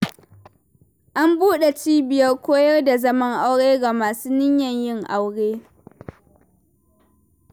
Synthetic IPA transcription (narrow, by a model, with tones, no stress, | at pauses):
ʔa˦mbuː˦ɗe˨t͡ʃiː˦bɪ˨jɐ˦rkʷoː˦jɐ˦rda˨zɐ˦mɐ˦ŋʔa˦wɽeː˦ɡa˨maː˨suː˦nɪ˦ɲjɐ˨ɲjɪ˦ŋʔa˦wɽeː˦